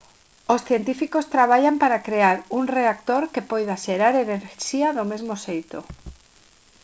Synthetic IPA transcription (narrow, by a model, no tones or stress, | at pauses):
osθjent̪ifikost̪ɾaβ̞aʎampaɾakɾeaɾuŋreak̚t̪oɾkepojðaʃeɾaɾeneɾʃiaðomezmosejt̪o̰